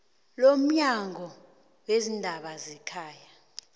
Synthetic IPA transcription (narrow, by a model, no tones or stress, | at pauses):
lom̩ɲaŋʱɔ | wezindʱaɓazɛkʰaːja